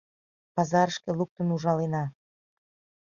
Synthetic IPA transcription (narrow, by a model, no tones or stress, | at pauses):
pɑzɑɾəʃkĕluk̚t̪ənuʒɑlenɑ